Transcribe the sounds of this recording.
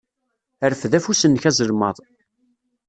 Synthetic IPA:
əɾəfðæfusənːçæzəlmɑðˤ

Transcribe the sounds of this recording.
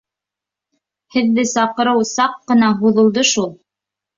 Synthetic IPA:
hɘ̆ðːɘsɑqɤ̆ɾɤwsɑqːɤ̆nɑɦuðɤ̆lˠd̪ɤʃulˠ

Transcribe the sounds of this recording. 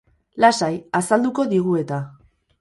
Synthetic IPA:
lasajasald̪uko̞ðiɣue̞t̪a

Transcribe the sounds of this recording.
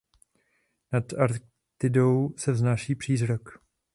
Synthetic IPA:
nat̪aɾ | t̪ɪdowsɛvznaːʃiːpr̥iːzɾok

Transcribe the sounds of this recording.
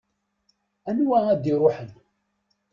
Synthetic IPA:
ænwææd̪iɾˤoħən

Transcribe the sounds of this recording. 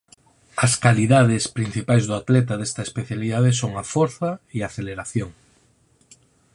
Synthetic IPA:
ɐskaliðaðespɾin̟θipajzðʊat̪lɛt̪aðest̪ɐespeθjaliðað̞esoŋafoɾθaiaθeleɾaθjoŋ

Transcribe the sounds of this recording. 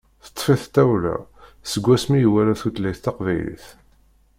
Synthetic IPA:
θə̥t̪ˤːfiθt̪ːæwlæ̰səɡʷːæsmijwæɾæθut̪læjθt̪ːɑqvæjlḭθ

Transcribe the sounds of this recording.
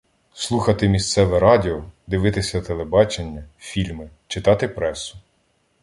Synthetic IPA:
slˠuxɐt̪ɪmʲist̪sɛʋɛɾɑdʲɪɔd̪ɪʋɪt̪ɪsʲɐt̪elˠebɑt͡ʃenʲːɐfʲilʲmɪ | t͡ʃɪt̪ɑt̪ɪpɾɛsʊ̥

